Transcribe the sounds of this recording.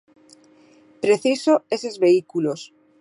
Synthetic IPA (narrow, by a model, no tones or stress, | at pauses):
pɾeθisoesezβeikulos